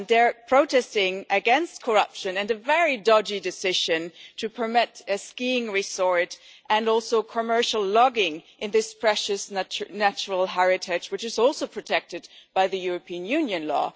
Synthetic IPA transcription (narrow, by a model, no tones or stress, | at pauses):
ðə˞pʰɹ̥oʊtɛstɪ̃ŋɨɡɛ̃nst̚kʰə˞ʌpʃɨ̃nɨ̃nɨvɛɹidɑd͡ʒidɨsɪʒ̥ɨ̃ntʰɨpʰə˞mɪɾɨskĩŋɹisɔɹtʔɨ̃nɔlˠsoʊkʰəmɜ˞ʃl̩ˠlɑɡɪ̃ŋʔɨ̃nðɪspʰɹ̥ɛʃɨsnæt͡ʃɹl̩ˠɦɛɹɨtʰɪd͡ʒwɨt͡ʃɨzɔlˠsoʊpʰɹ̥ɨtʰɛk̚tɨd̚b̥aɪðɨjʊɹɨpʰiɨ̃njʉ̃njɨ̃nlɔ̰